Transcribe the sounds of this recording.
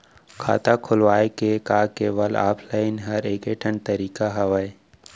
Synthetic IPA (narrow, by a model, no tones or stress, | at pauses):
kʰa̰ːt̪akʰʊlʋaːekekaːkeːʋəla̰ːpʰlaːɪnɦɐɾeːkeʈʰəɳɖt̪əɾiːkaɦɐʋəe